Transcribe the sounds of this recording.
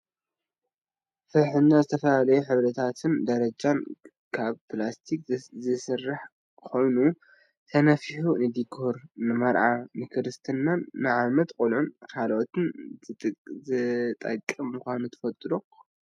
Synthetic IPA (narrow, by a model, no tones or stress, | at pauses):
fɐɾħɨnːazɨt̪ʰɐfɐlalɐjuħɨβɾɐt̪ʰat̪ʰɨnd̪ɐɾɐd͡ʒan | kʰaβplast̪ʰik̚zɨsɨrːaħ | kʰo̞jnu | t̪ʰɐnɐfiħunɨd̪ikʰoɾnɨmɐɾʕamɨkʰɾɨst̪ʰɨnːanːɨʕamɐt̪kʼulʕunkʰalʔot̪ʰɨnʼ | zɨt̪ʼɐkʼːɨmːmuxʷanut̪ʰɨ̥fɐt̪ʼɾo